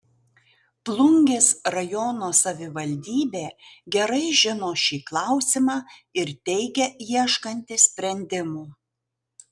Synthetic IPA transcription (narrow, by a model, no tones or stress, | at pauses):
plˠʊŋʲɡʲeːsɾɐjɔnoːsɐʋʲɪʋɐlʲd̪ʲiːbʲeːɡʲɛɾɐɪʒʲɪnoːʃʲiːklˠɑˑʊsʲɪmɑːɪɾt̪ʲɛɪɡʲɛjiɛʃkɐnʲt̪ʲɪsʲpʲɾʲɛnʲd̪ʲɪmuː